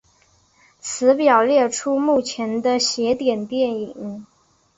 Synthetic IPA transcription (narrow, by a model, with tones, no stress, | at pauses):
t͡sʰɹ̩˧˥pjɑ˨˩ʊljɛ˥˩ʈ͡ʂʰu˥mu˥˩t͡ɕʰjɛ˧˥nd̪ə˧ɕjɛ˧˥t̪jɛ˨˩nt̪jɛ˥˩ni˨˩˦ŋ